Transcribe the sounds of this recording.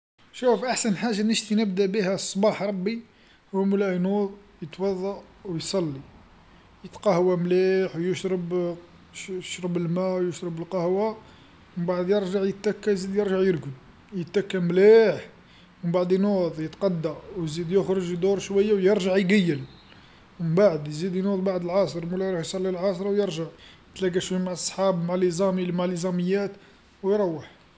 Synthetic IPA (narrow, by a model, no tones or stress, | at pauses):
ʃufʔaħsənħaʒanəʃt̪inəbd̪æbihæsˤːbɑħɾˤɑbːi | hʊwːmlæjnud̪ˤjət̪wɑðˤːɑ | wjsˤɑlːi | jət̪qɑhwamliħwjəʃɾəb | ʃɾɑbəlmæwjʊʃɾəbəlqɑhwa | məmbaʕd̪jəɾʒaʕjət̪ːækːæjzid̪jəɾʒaʕjəɾɡəd | jət̪ːækːæmliħ | wməmbaʕd̪jnoðˤjət̪qɑd̪ːawjzid̪jʊxɾˤəʒd̪uɾˤʃwæjːawjəɾʒaʕjɡæjːəl | məbaʕəd̪jzid̪jnud̪ˤbaʕd̪əlʕɑsˤəɾˤmulæɾˤɑħjsˤɑlːilʕɑsɾˤɑwjəɾʒaʕjət̪læɡæʃwæjmaʕəsˤːħɑbmaʕlʔizɑmmaʕləzɑməjːæt̪ | wjɾˤɑwːəħ